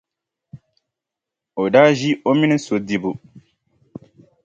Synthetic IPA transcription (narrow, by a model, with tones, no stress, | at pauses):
o˨da˦ʒi˦o˦mi˦nĩ˦so˨di˨bu˨